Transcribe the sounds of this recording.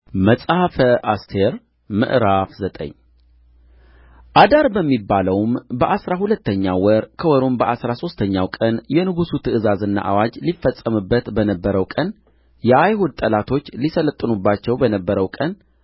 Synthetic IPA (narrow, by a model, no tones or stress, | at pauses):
məsʼhafəʔast̪ʰeɾ | mɨ̰ʔɾafzət̪ʼə̰ɲː | ʔad̪aɾbəmːibːaləwmbəʔasɾahulət̪ːəɲːawəɾkʰəwɔɾombəʔasɾaso̞st̪ʰəɲːawkʼənjɛnɨɡusut̪ʰɨʔɨzazɨnːa̰ʔawad͡ʒlifːəsʼːəmɨbːət̪bənəbːəɾəwkʼən | jɛʔajhud̪̚t̪ʼəlat̪ʰo̞t͡ʃːlisələt̪ʼːɨnubːat͡ʃːɛwbənəbːəɾəwkʼən